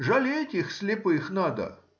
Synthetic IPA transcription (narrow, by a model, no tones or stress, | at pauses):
ʐɐlʲetʲixsʲlʲɪpɨxnad̪ə̰